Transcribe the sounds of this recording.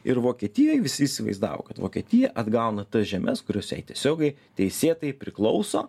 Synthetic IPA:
ɪɾʋoːkʲiɛt̪ʲɪjoːjʋʲɪsʲɪiːsʲɪʋɐ̰ɪzd̪ɑ̰ːʋo̰ːkɐt̪ʋo̰ːkʲiɛt̪ʲɪjɛʔɐd̪ɡɐʊnɐt̪ɐsʒʲɛmʲʔɛskʊɾʲoːsjɛ̰ɪt̪ʲiɛsʲoːɡʲɛɪtt̪ʲɛɪsʲeːt̪ɐɪpʲɾʲɪklˠɒʊso̰ː

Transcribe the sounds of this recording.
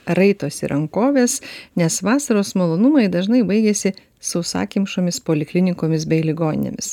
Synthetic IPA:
ɾɐɪt̪oːsḭɾʔɐŋkoːʋʲeːsnʲɛsʋɑːsɐɾoːsmoːlˠoːnʊmɐɪd̪ɐʒnɐɪbɐɪɡʲesʲɪ | sɐʊsɑ̰ːkʲɪmʃoːmʲɪspoːlʲɪklʲɪnʲɪkoːmʲɪsbʲɛɪlʲɪɡoːnʲɪ̰nʲḛmʲɪ̰s

